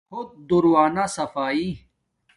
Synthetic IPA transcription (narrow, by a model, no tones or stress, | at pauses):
hʊd̪̚d̪ʊɾwaːnasɐfaːi